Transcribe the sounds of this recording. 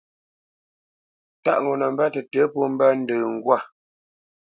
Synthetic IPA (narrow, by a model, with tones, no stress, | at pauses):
ta̰˦ʔŋɡo˨nə˨m˦ba˦tə˨tə˨˦po˦m̩˦ba˦n̩˦dəː˨ŋ̩˨ɡwa˦˨